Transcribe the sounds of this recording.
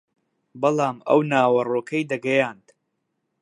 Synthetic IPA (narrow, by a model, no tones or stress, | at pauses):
bɐlˠɑːmɐ̰wnaːwɐroːkʰɐjd̪ɐɡɐjaːnd̪